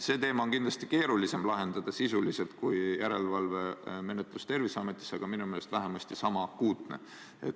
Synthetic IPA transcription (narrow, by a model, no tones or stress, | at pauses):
se̞ːt̪e̞ːmɑo̞nkind̪lɑst̪i̥ke̞ːɾulise̞mlɑɦe̞nd̪̥ɑd̪̥ɑsisulise̞lt̪̚kujjæɾe̞lvɑlve̞me̞net̪ˑlust̪e̞rvisɑme̞t̪ːˑi̥sːɑɡ̥ɑminumelest̪væɦe̞mɑst̪isɑmɑkuːt̪ne̞̰ | ḛt̪